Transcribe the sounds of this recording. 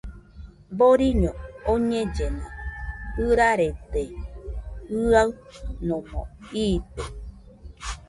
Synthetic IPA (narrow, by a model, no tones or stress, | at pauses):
boɾiɲõoɲẽd͡ʒenãɯɾaɾet̪e | ɨaɨnõmõ̰iːt̪o